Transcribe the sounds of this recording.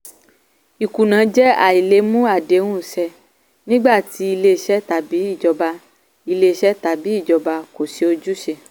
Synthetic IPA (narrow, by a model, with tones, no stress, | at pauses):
i˨ku˨nã˨˦d͡ʒɛ˦a̰˨i˨le˨˦mũ˦a˦˨de˨˦wũ˦˨sɛ˧ | nĩ˦ɡ͡ba˦˨ti˧˦i˧le˧˨ʃɛ˦ta˨bi˨˦i˦˨d͡ʒɔ˧ba˧ | i˧le˧˨ʃɛ˦ta˨bi˨˦i˦˨d͡ʒɔ˨ba˧ko˨se˨˧o˧d͡ʒu˦ʃe˧